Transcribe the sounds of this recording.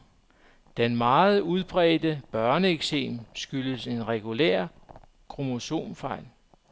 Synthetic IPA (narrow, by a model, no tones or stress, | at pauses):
d̥enmɑ̈ːð̞̩ˠuð̞ˠb̥ʁɛ̰ːd̥əb̥ɶɐnəeɡ̥sḛːmsɡ̥yləse̝nʁɛɡ̥ulḛɐ̰ | kʰʁo̝mo̝so̝̰ːmfɑ̈ɪ̰l